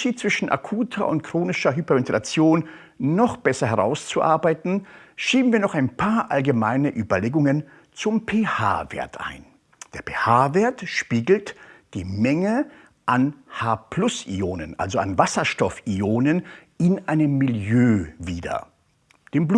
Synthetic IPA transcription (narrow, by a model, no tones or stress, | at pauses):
ʃiːt̚t͡sv̥ɪʃn̩ʔa̰kʰuːtʰɐ̰ʔʊ̰ntkʁ̥oːnɪʃɐɦypɛmɪntɛlat͡sjoːnː | ɔχb̥ɛsɐɦɛʁa̰ʊst͡suʔa̰ɐbaɪtn̩ʃiːbn̩viːɐnɔχaɪnpʰaːɐʔalɡəmaɪnəʔyːbɐleːɡʊŋən | t͡sʊmpʰeːha̰ːvḛːɐtʰʔa̰ɪn | d̥eːɐpʰeːhaːveːɐtʃpiːɡl̩td̥iːmɛŋə | ʔanhaːpʰl̥ʊsḭoːnənʔa̰lzoanvasɐʃtɔfioːnənʔɪnʔaɪnəmːɪljøːviːdɐ̰ | d̥eːmb